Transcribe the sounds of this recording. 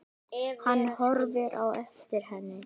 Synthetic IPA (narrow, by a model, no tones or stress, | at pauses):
hanːhɔɾvɪɾʔa̰wɛft̪ɪɾ̥hɛnːɪ